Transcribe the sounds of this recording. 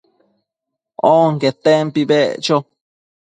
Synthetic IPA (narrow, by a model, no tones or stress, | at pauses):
oŋket̪empibeʔt͡ʃo